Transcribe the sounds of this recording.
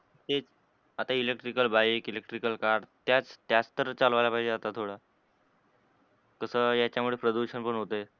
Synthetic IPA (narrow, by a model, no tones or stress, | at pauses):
t̪et͡s | at̪ailek̚ʈɾikəlbaikilekʈɾikəlkaɾɖt̪jat͡st̪jat͡st̪əɾt͡salʋajlapaɦid͡ʑed͡zat̪at̪ʰoɽa | kəsəːjat͡ɕjamuɭepɾəd̪uɕənpəɳɦot̪əe